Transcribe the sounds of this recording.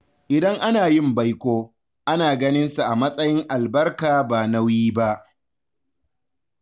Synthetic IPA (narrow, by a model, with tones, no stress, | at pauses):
ʔɪ˨dɐ˦ŋʔa˦naː˨jɪ˦mba˦jkʷoː˦ | ʔa˦naː˨ɡɐ˦nɪ˦nsu˨ʔa˨mɐ˦sʼɐ˦jɪ˦ŋʔa˨lbɐ˦rkaː˨baː˨na˦wjiː˦ba˦ʔ